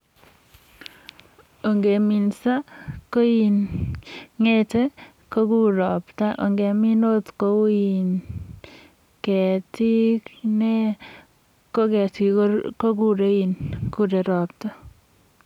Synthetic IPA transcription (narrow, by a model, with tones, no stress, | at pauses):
o˨ŋɡe˨mi˨nsa˦ko˦in | ŋe˦t̪e˦ | ko˦ku˦ɾɔ˨pta˦ʔo̰˨ŋɡe˨mi˦no˦t̪ko˦u˦i˨n | kɛ˨ti˦kne˦ | ko˦kɛ˨t̪i˨ko˦ɾko˦ku˦ɾe˦i˦nku˦ɾe˨ɾɔ˨p̚ta˦